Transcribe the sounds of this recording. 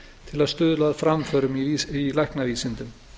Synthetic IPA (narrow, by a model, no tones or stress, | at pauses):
t̪ʰɪlaðst̪ʏːðʏlaːðfɾamfœɾʏmiilɛhknaviːsɪnt̪ʏm